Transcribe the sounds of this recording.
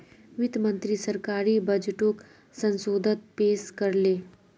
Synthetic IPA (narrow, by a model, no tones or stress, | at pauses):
ʋɪd̪mə̃nt̪ɾisəɾkaːɾiːbəd͡ʒʈok | sə̃nsoːd̪ʱət̪̚peːskəɾleː